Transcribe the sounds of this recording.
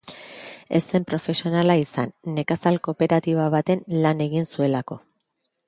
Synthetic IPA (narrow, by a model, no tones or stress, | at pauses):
e̞̰se̞mpɾo̞fe̞sio̞nalaisa̰nːe̞kasalko̞pe̞ɾat̪iβaβ̞at̪e̞nlane̞ɣinsue̞lako̞